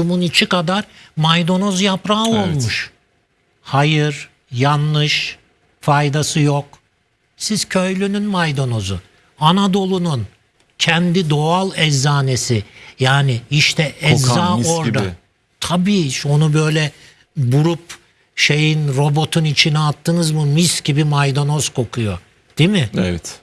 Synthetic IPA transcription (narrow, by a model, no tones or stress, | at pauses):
umunit͡ʃʰikad̪aɾmajd̪o̞nozjapɾaolˠmuʃ | hajɯɾ | janːɯʃ | fajd̪asɯjok | siz̥cʰø̞jlʲynynmajd̪o̞no̞zṵ | anad̪o̞lˠunun | cʰɛnd̪id̪o̞alˠɛzːaːnesijaːnɪiʃt̪ʰɛɛzaoɾd̪a | t̪ʰabiːʃo̞nubø̞jlʲɛ | buɾup | ʃe̞jinɾo̞bo̞t̪ʰunit͡ʃʰinɛat̪ʰːɯnɯzmɯmiscibimajd̪onoz̥kʰo̞kʰujo | d̪̥imɪɛvɛt̪